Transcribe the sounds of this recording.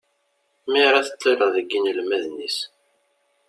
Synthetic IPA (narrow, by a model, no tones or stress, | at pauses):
miɾaθə̥t̪ˤːiɾəðəɡːinəlmæðnis